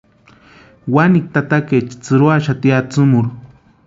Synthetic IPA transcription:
wanik̚t̪at̪aket͡ʃt͡sɨɾwaʃat̪iat͡sʊmʊɾ

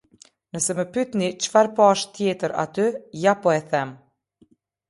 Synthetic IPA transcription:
nəsɛməpyt̪nit͡ʃfaɾpɑʃt̪jɛt̪əɾa̰t̪yjapɔɛθɛm

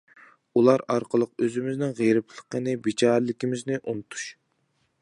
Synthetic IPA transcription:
ulˠɑɾɑɾqəlˠəqøzɪmɪznɪŋʁeɾɪplˠəqənɨbit͡ʃʰɑːɾlɪkʲimɪznɪʔunɨt̪ʰu̥ʃ

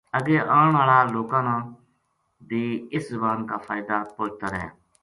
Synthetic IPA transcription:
əɡeːʔaːɳʋaːɭaːloːkãːnãː | d̪iːɪszəbaːnkaːpʰaːɪd̪aːpõːt͡ʃt̪aːɾɛ̰ː

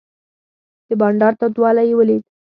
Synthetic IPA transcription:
d̪̥əbɑɳɖɑɾt̪ad̪wɑlajewəle

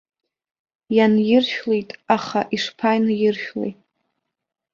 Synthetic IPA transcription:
janjɪrʃᶣlejtʼaχaʔiʂpʰajnjɪrʃᶣlḛjtʼ

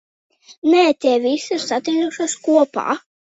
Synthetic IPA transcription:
nɛːt̪ʲɛɛvʲisiɾsat̪ʲid̪uʃaskuɔpa̰ː

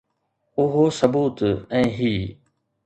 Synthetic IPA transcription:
ʊɦosəbuːt̪ɛ̃ːɦiː

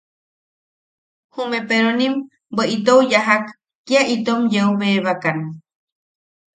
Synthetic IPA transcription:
humẽpeɾonĩm | bəʔit̪owjaɦakː | iait̪omjeuβeβakan

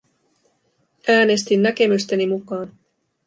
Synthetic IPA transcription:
ʔæːne̞st̪inːæke̞myst̪enimukɑːn

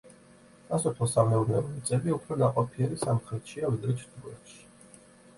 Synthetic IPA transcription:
asɔpʰlɔsamɛunɛ̰ɔit̪sʼɛbiupʰɾɔd̪aqʼɔpʰiɛɾisamχɾɛt̪ʰʃiavid̪ɾɛt͡ʃʰt̪ʰɡɛ̰t̪ʃi̥

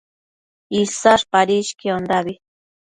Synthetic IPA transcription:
isaʂpaɾiʃkiond̪aβi

